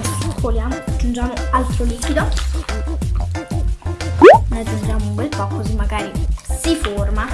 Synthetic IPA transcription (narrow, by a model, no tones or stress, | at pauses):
voljaːmoad͡ʒːund͡ʒaːmoalt̪ɾoliːkid̪o | noad͡ʒːund͡ʒaːmokwelpɔkozimːaɡaːɾisiforma